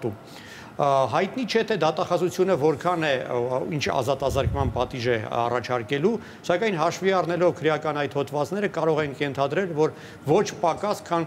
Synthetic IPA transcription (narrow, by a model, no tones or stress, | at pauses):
t̪um | ɦɑjt̪nit͡ʃʰɛt̪ʰɛd̪ɑt̪ɑχɑzut͡sʰjunəvɔɾkʰɑnɛint͡ʃʰɑ̰zɑt̪ɑzəɾkmɑnpɑt̪iʒɛɑ̰rɑt͡ʃʰɑɾkɛlu | sɑkɑjnɦɑʃviɑrnɛlɔvkʰəɾjɑkɑnɑjt̪ʰhɔt̪ʰvɑt͡snɛɾəkɑɾɔʁɛnkʰjɛnt̪ʰɑd̪ɾɛlvɔɾ | vɔt͡ʃʰpɑkɑskʰɑn